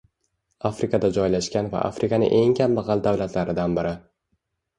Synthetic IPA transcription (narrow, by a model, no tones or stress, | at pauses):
afɾɪkad̪ad͡ʒɒjlaʃkʲanva̰ʔa̰fɾɪkanɪ̰ʔe̞ŋkʲʰambɑʁɑld̪awlat̪laɾɪd̪anbɪɾɪ